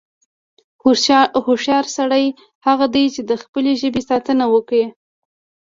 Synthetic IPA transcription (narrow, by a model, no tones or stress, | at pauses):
hhoʃjɑɾsaɽəj | haɣad̪əjt͡ʃed̪əxpəleʒəbesɑt̪ənawəkɽe